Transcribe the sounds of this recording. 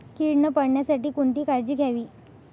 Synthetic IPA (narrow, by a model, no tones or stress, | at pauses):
kiɽnəpəɽɳjasaʈiːkunt̪iːkaɾd͡ʑiːɡʱjaʋiː